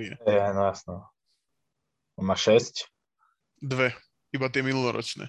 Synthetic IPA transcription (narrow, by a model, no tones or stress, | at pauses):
jɛ̰ɛnɔjasnɔ | maʃɛsc | d̪ʋɛ | ibat̪̬jɛminulˠɔɾʔɔ̰t͡ʃnɛ̰